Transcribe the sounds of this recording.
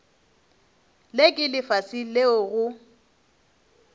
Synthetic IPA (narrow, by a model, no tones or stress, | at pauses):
lekʼɪlɪfasileʊɣʊ